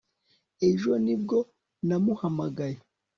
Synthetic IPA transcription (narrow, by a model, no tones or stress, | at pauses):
eʒonib̚ɡo | namuhamaɡaje